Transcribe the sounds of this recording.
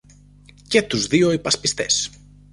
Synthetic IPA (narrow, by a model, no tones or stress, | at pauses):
cet̪uzðioipɐspist̪es